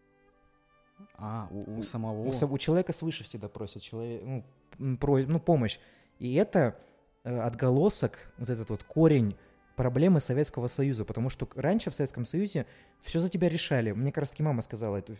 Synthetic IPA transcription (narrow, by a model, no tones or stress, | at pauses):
aṵsəmɐvoəʊt͡ɕɪlˠɐvʲekəsvɨʂɨfsʲɪɡ̚d̪apɾosʲɪt̪̚t͡ɕɪlˠɐvʲenu | pɾonupo̞məɕ | iɛt̪ə | əɐd̪ɡɐlˠo̞səkvot̪ɛt̪ət̪vo̞t̪kʰoɾʲɪnʲ | pɾɐblʲe̞mɨsɐvʲet̪skəvəsɐjuzəpət̪ɐmuʂt̪o̞ranʲʂɨfsɐvet̪skəmsɐjuzʲɪ | fsʲozətʲɪbʲaɾʲɪʂalʲɪmnʲekɾast̪əkʲimaməskɐzalˠəɛt̪ʊ